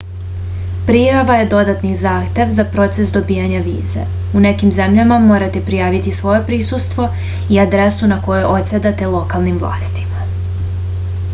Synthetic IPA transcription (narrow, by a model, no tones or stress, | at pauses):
pɾijaʋaje̞d̪o̞d̪at̪nizaːxt̪je̞ʋzapɾo̞t̪sesd̪o̞bijaɲaʋḭːzḛ | une̞kimze̞mʎamamo̞ːɾat̪e̞pɾijaːʋit̪isʋo̞je̞pɾiːsust̪ʋo̞ | iad̪ɾesunako̞jeʔot̪sed̪at̪e̞lˠo̞kalˠnimvlˠa̰ːst̪i̥ma